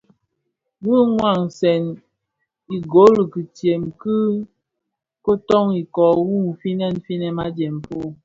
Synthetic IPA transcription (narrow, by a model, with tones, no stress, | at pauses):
bu˦ŋwa˨ŋsɛ˨n | i˨ɡo˨˦li˨ki˨tje˨mkɨ˦ | ko˦tɔ˦ŋi˨kɔ˨ɣu˦˨fi˦nɛ˦˨n˨fi˦nɛ˨ma˦d͡ʒɛ˨m˨pu˦